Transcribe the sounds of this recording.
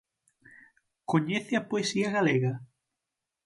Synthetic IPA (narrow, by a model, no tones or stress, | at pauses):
koɲeθɪɐpoesiɐɣaleɣɐ